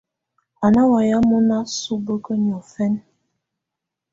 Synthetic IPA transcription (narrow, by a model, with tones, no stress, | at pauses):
a˨na˦wa˨ja˦mɔ˦na˦su˦bə˦kə˦ni˨ɔ˨fɛ˦n